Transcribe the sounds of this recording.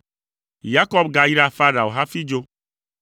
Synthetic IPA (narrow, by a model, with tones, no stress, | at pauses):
ja˦kɔ˦bɡa˨ji˦ɾa˦fa˦ɖa˨wo˨ɦa˦fi˦d͡ʒo˦